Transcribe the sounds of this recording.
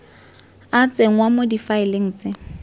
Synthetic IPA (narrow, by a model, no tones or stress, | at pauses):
at͡sʼeŋ̩wamodifaɪleŋ̩t͡sʼɪ